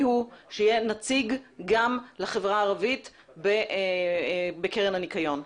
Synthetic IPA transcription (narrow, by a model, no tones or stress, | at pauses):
huʃejenat͡siɡɡamlaχevʁaːʁavit | beʔ | bekeʁenhanikajo̞n